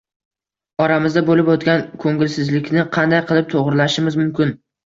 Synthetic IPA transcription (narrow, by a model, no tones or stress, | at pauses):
ɒɾamɪzd̪abolɪpot̪ɡʲankʰɵŋɡʲɪlsɪzlɪkʲnɪqʰɑnd̪ajqʰɨlˠɪp̚t̪ʰoʁɾɪlaʃɪmɪzmʊmkʲɪn